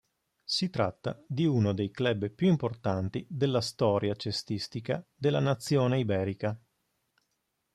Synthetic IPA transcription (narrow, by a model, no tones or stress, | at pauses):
sit̪ɾat̪ːa̰d̪iunod̪ejklɛbpjuimport̪ant̪id̪elːast̪ɔːɾjat͡ʃest̪ist̪ikad̪elːanat̪sːjoːneibɛːɾika